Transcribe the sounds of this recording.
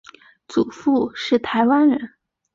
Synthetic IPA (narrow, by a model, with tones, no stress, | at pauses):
t͡su˨˩fu˥˧ʂɻ̩˥˩t̪ʰa˧˥ɪwa˥nɻə˧˥n